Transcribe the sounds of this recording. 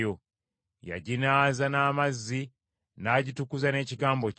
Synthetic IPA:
o | ja̰ɟinaːzanaːmazːi | naːɟitukuzane̞ːciɡaːmbo̞

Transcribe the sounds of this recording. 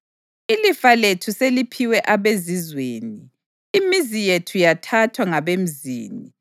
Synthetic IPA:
ilifaletʰuselipʰiwɛʔaβezizweːniː | mizijetʰujatʰatʰwaŋaβem̩zḭːni

